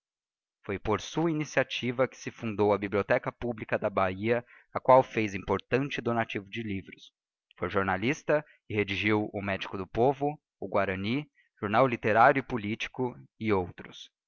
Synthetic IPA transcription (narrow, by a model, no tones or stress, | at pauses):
fojpoɾsuɐinisiat͡ʃivɐkɪ̥sɪfũnd̪owɐbiblʲiot̪ɛkɐpublikɐd̪ɐbaiɐ | ɐkwawfejzĩmpoɾt̪ɐ̃nt͡ʃɪd̪onat͡ʃivʊd͡ʒɪlivɾʊs | fojʒoɾnalist̪ɐ | ɪhed͡ʒiʒiwʊmɛd͡ʒikʊd̪ʊpovʊː | ɡwaɾɐni | ʒ̥oɾnawlit̪eɾaɾjʊɪpulit͡ʃi̥kʊɪowt̪ɾʊs